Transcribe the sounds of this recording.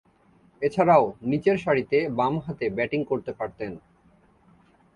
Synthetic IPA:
et͡ɕʰaɾaonit͡ɕeɾʃaɾit̪ebamɦat̪ebɛʈiŋkoɾt̪epaɾt̪en

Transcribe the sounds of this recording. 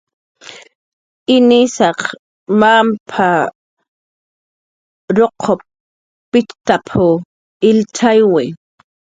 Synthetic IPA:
ɪnɪsɑq | mampʰa | ɾoqʰːopː | ɪt͡ʃt̪apʰʊ | ɪlt͡ʃʰajwɪ

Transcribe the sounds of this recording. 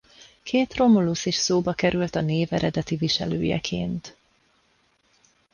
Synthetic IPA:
kʰeːt̪ro̞moluseːʃsoːbɒkɛɾʔylt̪ɒneːvɛɾɛd̪ɛt̪iviʃɛ̰løːjɛ̰kʰḛːnt̪

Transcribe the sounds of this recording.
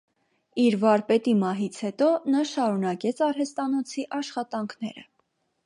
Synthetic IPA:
iɾvɑɾpɛt̪imɑɦit͡sʰhɛt̪ɔnɑʃɑɾunɑkɛt͡sʰɑɾɦɛst̪ɑnɔt͡sʰiʔɑʃχɑt̪ɑŋkʰnɛ̰ɾə̰

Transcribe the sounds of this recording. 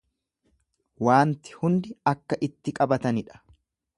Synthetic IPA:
waːnt̪ɪ̥hʊnd̪ɪɐkːɐʔɪt̪ːɪkʼɐbɐt̪ɐnɪᶑɐ̥

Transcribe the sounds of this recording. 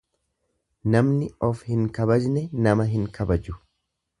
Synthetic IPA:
nɐmnɪɔfhɪŋkɐbɐd͡ʒnɛnɐmɐɦɪŋkʰɐbɐd͡ʒʊ

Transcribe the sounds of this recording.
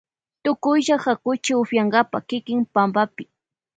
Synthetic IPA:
t̪ʊkʊjʒahakʊt͡ʃɪʊfjaŋɡapakɪkɪŋpambapɪ̥

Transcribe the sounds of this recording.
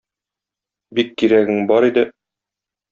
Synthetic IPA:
bikːiɾæɡɘŋbɒɾid̪ɘ

